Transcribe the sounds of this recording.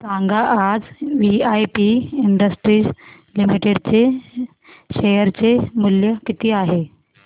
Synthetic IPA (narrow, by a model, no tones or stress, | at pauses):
sãŋɡaʔad͡zʋiajpiiɳɖəsʈɾiː | limiʈeɽt͡se | ɕejəɾt͡semuljəkit̪iːaɦe